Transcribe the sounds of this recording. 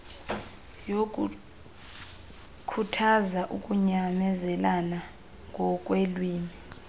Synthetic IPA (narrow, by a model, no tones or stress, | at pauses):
jo | kʰutʰazaʔukʼuɲamɛzɛlana | ŋɡʱɔk̬ʼwelwiːmi